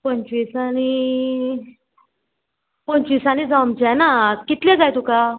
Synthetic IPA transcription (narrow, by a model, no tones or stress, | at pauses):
pəɲt͡ɕʋisaɽ̃i | pəɲt͡ɕʋiːsaɽ̃id͡zamt͡ɕanakit̪lẽɡajt̪uka